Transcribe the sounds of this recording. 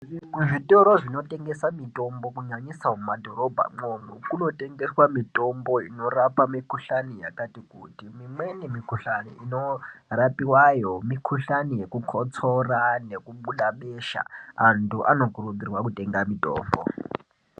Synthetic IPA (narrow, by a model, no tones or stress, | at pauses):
iʐitʼɔɾoʐinotʼeŋɡɛsamitʼombokuɲaɲisaumadʱoɾobʱa̰ŋonukunotʼɛŋɡɛswamitʼomboḭnoɾapamikʰuɬanija̰katikutʼimimwenimikʰuɬaniinorapʼiwajomikʰuɬanijekukʰɔt͡sʰɔranekuɓuɗaɓeʃa̰antʰuʔa̰nokuɾuɓ̪irwakutʼeŋɡamitʼo̰ːmbɔ̰